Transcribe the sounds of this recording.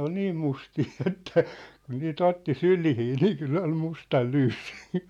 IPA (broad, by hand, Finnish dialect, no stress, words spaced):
ol niːm mustiː etːæ kun niːt otːi sylihiː niː kylː ol mustɑl lyːsːi̥